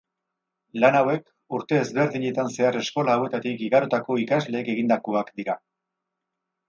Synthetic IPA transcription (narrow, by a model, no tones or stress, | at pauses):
lanawe̞k | uɾt̪e̞ːzβe̞ɾðiɲe̞t̪anse̞are̞sko̞laːwe̞t̪at̪ikiɣaɾot̪ako̞ikazle̞ːke̞ɣ̞ind̪akoakd̪iɾa